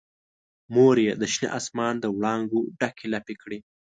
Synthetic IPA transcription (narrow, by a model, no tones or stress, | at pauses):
moɾjed̪əʃnḛʔɑsmɑnd̪əwɽɑŋɡoɖakʰelapekɽi